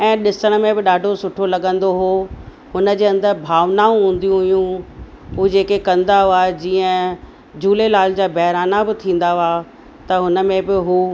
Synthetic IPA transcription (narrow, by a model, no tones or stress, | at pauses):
ɛ̃ːɗɪsəɽ̃mẽbɪɗaːɖʱosʊʈʰolɐɠə̃nd̪oɦo | hʊnə̆d͡ʑeːɐ̃nd̪əɾbʱaːʋnaːũɦũːn̆d̪ijũɦʊjũ | ɦud͡ʑeːkekɐ̃nd̪aɦoaːɦed͡ʑiːə̃ | d͡ʑuːlelaːl̤d͡ʑaːbɛɦɾaːnabɪt̪ʰĩːn̆d̪aɦʊaː | t̪ɐɦʊnə̆mẽbɪɦu